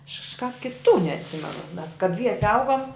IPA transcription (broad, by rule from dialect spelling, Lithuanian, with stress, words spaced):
ɐʃ kɐʃˈkɑːp kʲɪˈtuː nʲɛɐtʲˈsʲɪmʲɛnʊ mʲɛs kɐ ˈdʲʋʲiɛsʲɛ ˈɐʊɡoːm